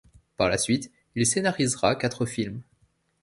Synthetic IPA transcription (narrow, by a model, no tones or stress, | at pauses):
paʁlasɥit̪ | ilsenaʁizʁakat̪χəfilm